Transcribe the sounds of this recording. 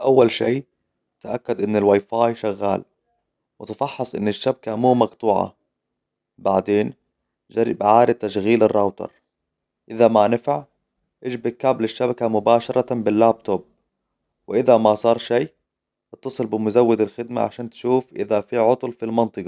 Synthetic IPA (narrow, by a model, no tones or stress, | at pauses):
ʔawːalʃiː | t̪aʔakːad̪ʔɪnːɪlwaːjfaːjʃaɣːaːl | wɪt̪fɑħːɑsˤʔɪ̰nːɪʃːabakamuːmɑɡt̪ˤuːʕɑ̰ | baʕd̪eːn | ʒaɾːɪ̰bʕaːɾɪt̪ːaʃɣiːlɪrˤːɑwt̪ɑ̰ɾˤ | ʔɪðamanɪfaʕ | ʔɪʒbɪkablɪʃːabakamʊbaːʃɑɾˤɑbɪlːaːb̚t̪ob̚ | wɪʔɪðamasˤɑːɾˤʃiː | bt̪ːɑsˤɨlbɪmʊzawːɪd̪ɪlxɪd̪ma̰ʕa̰ʃaːnt̪ʃuːfʔɪ̰ðafiʕʊt̪ˤlfilmɑnt̪ˤɨqɑ